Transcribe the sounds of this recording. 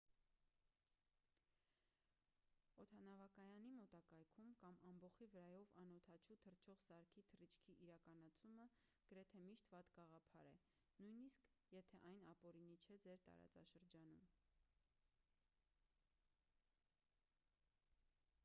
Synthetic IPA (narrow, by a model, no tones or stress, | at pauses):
ɔt̪ʰɑnɑvɑkɑjɑnimɔt̪ɑkɑjkʰumkɑmɑmbɔχivəɾɑjɔvɑnɔt̪ʰɑt͡ʃʰut̪ʰərtt͡ʃʰɔʁsɑɾkʰit̪ʰərit͡ʃʰkʰiʔiɾɑkɑnɑt͡sʰumə | ɡ̥əɾɛt̪ʰɛmiʃt̪vɑt̪ɡɑʁɑpʰɑɾɛ | nujniskʰjɛt̪ʰɛʔɑjnɑpɔɾinit͡ʃʰɛd͡zɛɾt̪ɑ̰ɾɑ̰t͡sɑ̰ʃəɾd͡ʒɑnum